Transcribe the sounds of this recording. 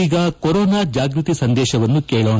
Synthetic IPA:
iːɡɐkoɾoːnaːd͡ʒaːɡɾit̪isɐnd̪ɛːʃɐʋɐnːukeːɭoː

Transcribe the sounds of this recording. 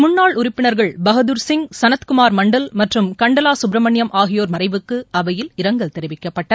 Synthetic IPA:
mʊnːaːɭʊɾɪpːɪnɐɾɣɐɭbɐɣɐðɯɾsɪŋɡsɐnɐt̪kʊmaːɾmɐɳɖɐlmɐʈrɯmkɐɳɖɐlaːsʊbɾɐmɐɳjɐmʔaːɣɪjoːɾmɐrɐɪʋɯkːɯɐʋɐjɪlɪɾɐŋɡɐɭt̪ɛɾɪʋɪkːɐpːɐʈːɐ

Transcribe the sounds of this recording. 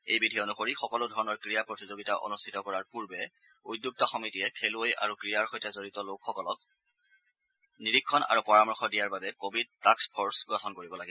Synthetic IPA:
ḛjbidʱionuxoɹixɔkɔlʊdʱɔɹɔnɔɹkɹijapɹotizoɡitaʔo̰nustʰitɔkɔɹaɹpuɹbɛ | udjuk̚tɔxɔmitiɛkʰelʊoja̰ɹukɹijaɹxɔjtɛzoɹitɔlokxɔkɔlɔk̚ | niɹikʰːɔna̰ɹupɔɹamɔɹxɔdijaɹbabɛkobʱid̚takspʰɔɹsɡɹɔtʰɔnkoɹibɔlaɡɛ

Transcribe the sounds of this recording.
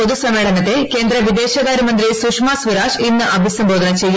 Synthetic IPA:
oðusɐmːeːɭɐnɐt̪ːe̞ke̞ːnd̪ɾɐʋid̪e̞ːɕɐðaːɾimɐnd̪ɾisuːkʂmaːsʋiɾaːʂinːɨʔɐbʱisɐmboːd̪ɐnɐt͡ɕe̞jːu

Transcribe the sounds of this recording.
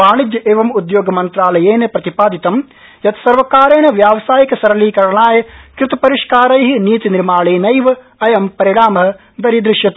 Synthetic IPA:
aːɳid̪jɐʔeːʋɐmud̪joːɡɐmɐnt̪ɾaːlɐjeːnepɾɐt̪ipaːd̪it̪ɐm | jɐt̪sɐɾʋɐkaːɾeːɳɐʋjaːʋɐsaːjikɐsɐɾɐliːkɐɾɐɳaːjɐkɾɪt̪ɐpɐɾiʂkaːɾɐjɦiniːt̪iniɾmaːɭeːnɐjʋɐ | ɐjɐmpɐɾiɽaːmɐɦɐ | d̪ɐɾid̪ɾɪʂjɐt̪

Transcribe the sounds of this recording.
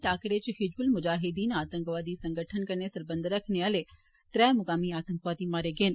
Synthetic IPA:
ʈaːkɾet͡ʃɦɪd͡ʒbʊlmʊd͡ʒaːɦɪd̪iːnaːt̪əŋkʋaːd̪isəŋɡəʈʰənkəɾnesɐɾbənd̪əɾəkʰneəle | t̪ɾɛmʊkaːmiaːt̪əŋkʋaːd̪imaːɾeɡeːn

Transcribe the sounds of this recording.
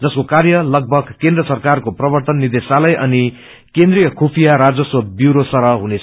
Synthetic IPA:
d͡zʌskokarjʌlʌɡ̚bʱʌɡkend̪rʌsʌrkarkoprʌbʌrt̪ʌnːid̪esalʌjʔʌni | kẽnd̪rijʌkʰupʰijaɾad͡zʌswʌbjuɾosʌɾʌɦunet͡sʰ

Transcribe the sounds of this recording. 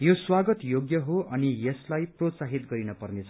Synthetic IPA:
joswaɡʌt̪joɡjʌɦoʔʌnijʌslajprot̪saɦit̪̚ɡʌɾinʌpʌrnet͡sʰʌ

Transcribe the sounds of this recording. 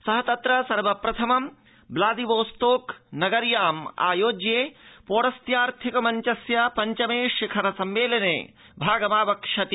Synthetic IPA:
sɐɦɐt̪ɐt̪ɾɐsɐɾʋɐpɾɐt̪ʰɐmɐm | blaːd̪iʋoːst̪oːknɐɡɐɾjaːma̰ːjoːd͡ʒjeːpoːɾɐst̪jaːɾt̪ʰikɐmɐɲt͡ʃɐsjɐpɐɲt͡ʃɐmeːʃikʰɐɾɐsɐmʋeːlɐnḛː | bʱaːɡɐmaːʋɐkʂɐt̪i

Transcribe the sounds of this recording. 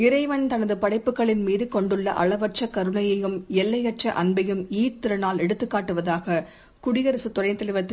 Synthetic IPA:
ɪɾɐɪʋɐnt̪ɐnɐðɯpɐɽɐɪpːɯkːɐɭɪnmiːðɯkɔɳɖɯɭːɐʔɐɭɐʋɐʈ̚t͡ʃːɐkɐɾɯnɐjɐjɯmɛlːɐjɐʈ̚t͡ʃːɐʔɐnbɐjɯmiːt̪ːɪɾɐnaːlɛɽɯt̪ːɯkːaːʈːɯʋɐðaːɣɐ | kʊɽɪjɐɾɐsɯt̪ːɔrɐɪnt̪ɐlɪʋɐt̪ːɪ

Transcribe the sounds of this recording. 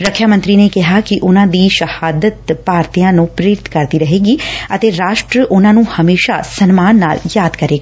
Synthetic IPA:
ɾəkʰːjaːmə̃nt̪ɾiːnekɪɦaːkɪʔʊnãːd̪iːʃəhaːd̪ət̪paːɾt̪ijãːnũːpɾeːɾɪt̪kəɾd̪iːɾəɦeːɡiːət̪eːɾaːʃʈɾəʔʊnãːnũːhəmeːʃasənmaːnːa̰ːljaːd̪kəɾeːɡaː

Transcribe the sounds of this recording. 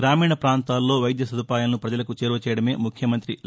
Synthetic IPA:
ɾaːmiːɳɐpɾaːnt̪aːlːo̞ːʋɐjd̪jɐsɐd̪upaːjalɐnupɾɐd͡ʒɐlɐkut͡ʃɛːɾʋɐt͡ʃɛːjɐɽɐme̞ːmukʰjɐmɐnt̪ɾi

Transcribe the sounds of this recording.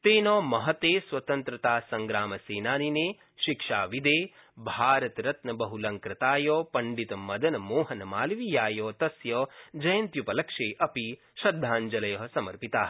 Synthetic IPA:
t̪eːnɔːmɐɦɐt̪eːswɐt̪ɐnt̪ɾɐt̪aːsɐŋɡɾaːmɐseːnaːnineː | ʃikʂaːʋid̪eː | bʱaːɾɐt̪ɾɐt̪nɐbɐɦulɐŋkɾɐt̪aːjɔːpɐɳɖit̪ɐmɐd̪ɐnɐmoːɦɐnɐmaːlʋijaːjɔːt̪ɐsjɐːd͡ʒɐjɐnt̪jupɐlɐkʂeːʔɐpi | ʃɐd̪ʱːaːnd͡ʒɐlɐjɐɦsɐmɐɾpit̪aːɦ

